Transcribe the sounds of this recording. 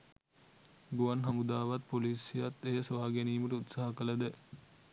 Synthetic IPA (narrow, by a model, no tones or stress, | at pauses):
ɡuʋanɦɐmud̪aːʋat̪̚poliːsijat̪ːejəsʋaːɡeniːməʈəut̪saɦɐkələd̪ə